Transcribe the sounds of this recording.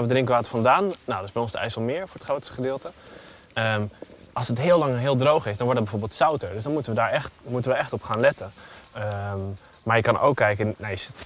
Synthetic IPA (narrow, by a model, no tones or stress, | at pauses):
ʋədrɪ̃ŋkəʋaːtəɹfɑ̃ndaːnːodøsbɛjɔ̃nsdəʔɛ̰jsɑlˠmɪːɹfʊːɹətχrowtstə̥χədɪːlˠtə | əm | ʔɑlˠsətɦɪːlɑŋɦɪːlˠdrowχɪsdɑnʋɔɹdɑd̚bɛjvoːɹbeːlˠtsawtəɹdøsdɑnmutəʋədaːɹɛχtmutənʋəɛχtɔpχaːnlɛtənə | maːɹjəkɑnʔo̰wkːɛjkənnɛst